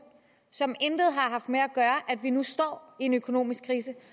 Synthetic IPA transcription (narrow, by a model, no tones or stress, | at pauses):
sɒ̽mend̥ð̞̩ˠɦɑ̈ɦɑ̈fd̥meæɡ̥ɶːɐʔæd̥ʋinusd̥ɒ̰ːie̝nøkʰo̝no̝̰ːmisɡ̥kʰːʁiːs̬ə